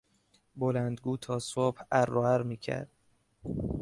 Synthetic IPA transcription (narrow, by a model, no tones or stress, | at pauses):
bolænd̪ɡuːt̪ʰɒːsob̥hærːoːæɾmiːcʰæ̰ɾd̪̥